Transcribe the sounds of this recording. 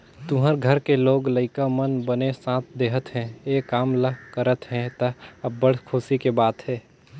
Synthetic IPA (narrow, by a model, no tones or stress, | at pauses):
t̪ʊɦəɾɡʱəɾkeloːɡləɪkamənbənesãːt̪ʰd̪eːɦət̪ɦɛ̃eːkaːmləkəɾət̪ɦɛ̃t̪əɐbːəɽ̤kʰʊsikebaːt̪ɦɛː